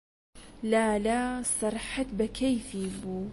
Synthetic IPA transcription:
laːlaːsˤɑɾˤħat̪bɐkʰajfiːbuː

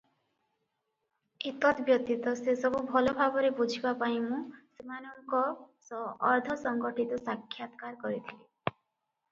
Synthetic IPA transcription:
it̪ɔt̪bjɔt̪it̪ɔsesɔbubʱɔlɔbʱabɔɾebud͡ʒʱibapaĩmũsemanɔŋkɔsɔːɾd̪ʱɔsɔŋɡɔʈʰit̪ɔsakʰːjat̪kaɾkɔɾit̪ʰili

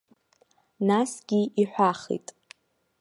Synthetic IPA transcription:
nasɡʲiiħʷaχḭtʼ

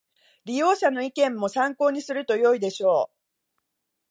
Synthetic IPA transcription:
ɾʲijo̞ːɕano̞ikẽ̞mːo̞sãŋko̞ːɲ̟isɨɾɯ̟t̪o̞jo̞id̪e̞ɕo̞ː

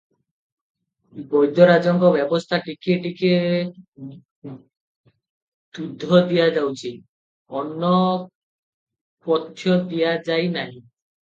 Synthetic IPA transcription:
bɔjd̪ɔɾad͡ʒɔŋkɔbjɔbɔst̪ʰaʈikeʈike | t̪ud̪ʱːɔd̪ijad͡ʒawt͡ʃʰi | ɔnːɔ | pɔt̪ʰːjɔd̪ijad͡ʒajnaɦĩ

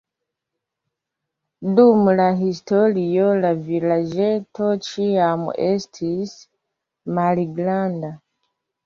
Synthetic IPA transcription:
dumulaɦistolijolavilaʒetʰot͡ʃiamṵʔestʰis | maɾiɡlanda

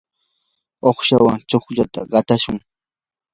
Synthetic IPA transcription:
oχʃawaŋt͡ʃoχʎat̪aɢɑt̪aʃʊŋ

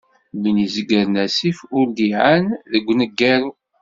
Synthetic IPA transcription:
minizəɡːəɾnæsifʊɾd̪iʕanðəɡʷːnəɡːæɾu

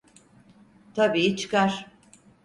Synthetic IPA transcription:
t̪ʰabiːit͡ʃʰɯ̥kaɾ̥

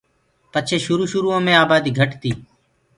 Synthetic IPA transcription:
pət͡ʃʰeːʃʊɾuːʃʊɾuːõːmẽːaːbaːd̪iːɡʱəʈt̪iː

